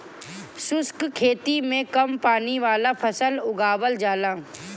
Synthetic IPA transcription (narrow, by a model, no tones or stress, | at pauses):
sʊskkʰeːt̪imẽkɐmpaːniʋaːlapʰɐsəlʊɡaːʋəld͡ʒaːlãː